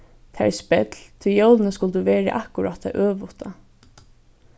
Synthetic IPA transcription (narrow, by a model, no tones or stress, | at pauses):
t̪ʰæ̰spɛt̪lt̪ʰɪjowlɪnəskʊlt̪uʋeːɾɪ̰ʔakʊɾat̪ʰːa̰ʔøːʋʊht̪a